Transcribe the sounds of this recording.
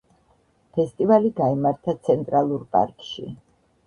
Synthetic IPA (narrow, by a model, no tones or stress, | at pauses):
pʰɛst̪ʼivaliɡaimaɾt̪ʰat̪sʰɛnt̪ʼɾalˠuɾpʼa̰ɾkʼʃḭ